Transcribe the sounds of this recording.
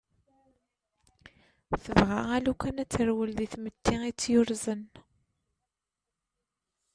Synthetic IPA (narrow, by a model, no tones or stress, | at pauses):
θəvʁaælukænæt͡sːəɾwəlðiθmət̪ːiit͡sːjʊɾzən